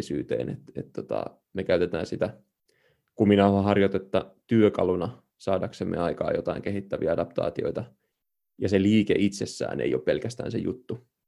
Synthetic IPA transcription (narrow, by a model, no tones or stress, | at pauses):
syːt̪ḛːnḛt̪et̪t̪ːot̪ɑ̰ | mekæyt̪et̪æːnsit̪æ | kuminɑːhɑɦɑrjot̪et̪ːɑt̪yøkɑlunɑ | sɑːdɑksemːḛɑikɑ̰ːjot̪ɑiŋkeɦhit̪ːæʋiæɑdɑpt̪ɑ̰ːt̪io̞it̪ɑ | jɑseliːkeʔit̪sesːæ̰ːnḛijo̞ppe̞lkæst̪æ̰ːnsejṵt̪ːu